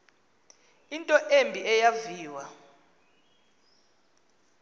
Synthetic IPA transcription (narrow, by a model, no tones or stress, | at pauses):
intʼɔʔembʱiɛjaviːwa